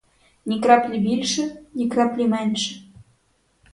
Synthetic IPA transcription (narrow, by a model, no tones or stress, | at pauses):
nʲikrɑplʲibilʲʃɘ̆nʲikrɑplʲimænʲʃɘ̥̆